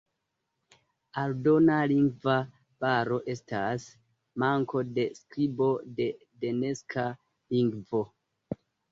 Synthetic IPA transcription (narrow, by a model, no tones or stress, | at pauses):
aldo̞naliŋɡva | b̥aɾo̞ʔe̞stas | maŋko̞de̞skɾibo̞de̞ | de̞ne̞skʰa | liŋɡvo̞